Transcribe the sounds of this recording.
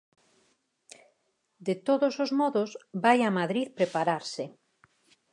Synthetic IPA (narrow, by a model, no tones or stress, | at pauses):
d̪et̪oðosozmɔðosbajamaðɾiðpɾepaɾaɾsɪ